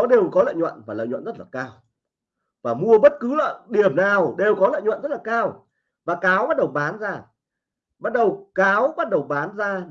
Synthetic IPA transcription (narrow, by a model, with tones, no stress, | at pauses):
ɔ˨˦ɗe˨˩wkɔ˨˦lə̰ː˧˨jɲwə̰˧˨nvaː˨˩lə̰ː˧˨jɲwə̰˧˨nzə˦˥t̚laː˨˩kaː˧w | vaː˨˩mu˧əɓə˦˥t̚kɨ˨˦lə̰ː˧˨ɗi˨˩əmnaː˨˩wɗe˨˩wkɔ˨˦lə̰ː˧˨jɲwə̰˧˨nzə˦˥t̚laː˨˩kaː˧w | vaː˨˩kaː˨˦wɓa˦˥t̚ɗə˨˩wɓaː˨˦nzaː˧˩ | ɓa˦˥t̚ɗə˨˩wkaː˨˦wɓa˦˥t̚ɗə˨˩wɓaː˨˦nzaː˧